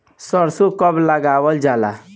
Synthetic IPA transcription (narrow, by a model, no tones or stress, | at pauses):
səɾsokʌbləɡawəld͡ʒala̰